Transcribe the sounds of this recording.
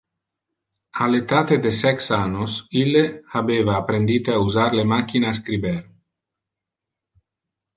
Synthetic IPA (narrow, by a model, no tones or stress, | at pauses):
alet̪at̪ed̪esɛksanosileabevaːpɾend̪it̪eauzaɾlemakinas̬kɾibeɾ